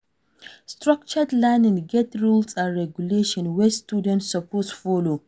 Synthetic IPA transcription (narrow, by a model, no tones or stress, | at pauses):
stɾak̚t͡ʃədlɛnĩŋɡɛtɹulsãnɹɛɡjuleʃɔ̃nwɛstudɛ̃ntsɔpʰosfɔlo